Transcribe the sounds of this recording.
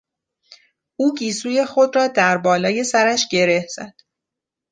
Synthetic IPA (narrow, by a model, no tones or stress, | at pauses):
ʔuːɟiːsuːje̞xo̞d̪ɾɒːd̪æɾbɒːlɒːje̞sæɾæʃɟ̥e̞ɾe̞hz̥æ̰d̪̥